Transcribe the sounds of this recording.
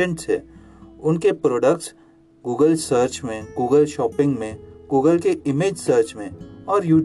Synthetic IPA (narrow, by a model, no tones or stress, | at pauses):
ə̃ɳʈsɦɛ̰̃ː | ʊnkepɾoːɖəkʈs | ɡuːɡəlsəɾt͡ʃmẽɡuːɡəlʃɔːpɪ̃ŋɡmẽɡuːɡəlkeɪmeːd͡ʒsəɾt͡ʃmẽɔːɾjuː